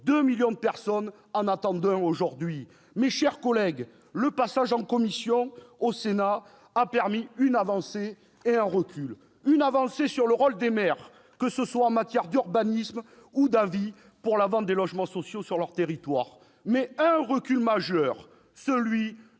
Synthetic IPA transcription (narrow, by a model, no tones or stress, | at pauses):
d̪əmiljɔ̃d̪əpɛʁsɔn | ɑ̃nat̪ɑ̃d̪ɛ̃oʒuʁd̪ɥi | meʃɛʁkɔlɛɡ | ləpasaʒɑ̃kɔmisjɔ̃osenaː | pɛʁmiynavɑ̃seː | ɛ̃ʁəkʲʰyl | ynavɑ̃sesyʁləʁɔld̪emɛʁ | kəsəswaɑ̃mat̪jɛʁd̪yʁbanism | ud̪avi | puʁlavɑ̃t̪̚d̪elɔʒmɑ̃sɔsjosyʁlœʁt̪eʁit̪waʁ | mɛɛ̃ʁəkʲylmaʒœʁ | səlɥi